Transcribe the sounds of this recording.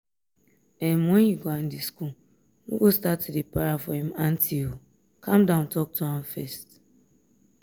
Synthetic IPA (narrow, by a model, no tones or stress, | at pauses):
ɛmohiɡoan̩disku | nṵɡostatdipaɾafɔhĩman̩tʰiho | kʰamdãʊ̃ntɔk̚tuãmfɛst